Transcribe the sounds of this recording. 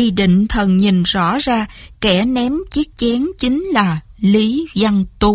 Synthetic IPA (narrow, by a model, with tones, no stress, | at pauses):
i˧ɗḭ̈˧˨ŋ̟t̪ʰə˨˩nɲi˨˩nzɔ̰˧˥zaː˧kɛ˧˩nɛ˨˦mt͡ɕi˦˥ək̚t͡ɕɛ˨˦ŋt͡ɕï˨˦ŋ̟laː˨˩li˨˦za˧ŋt̪u˧